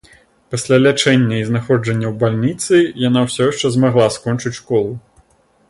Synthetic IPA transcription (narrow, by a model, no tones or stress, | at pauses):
pasʲlʲalʲat͡ʂɛnʲːɐiznaxɔd͡ʐɐnʲːɐwbalʲnʲit̪sɨjanawsʲɔjʂt͡ʂɛzmaɣlˠaskɔnt͡ʂɨt͡sʲʂkɔlˠu